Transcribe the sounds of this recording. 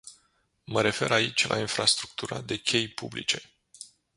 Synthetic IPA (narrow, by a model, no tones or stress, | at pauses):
məɾe̞fe̞ɾait͡ʃʲlʔa̰infɾast̪ɾuk̚t̪uɾa̰d̪e̞kʲe̞jpublḭt͡ʃe̞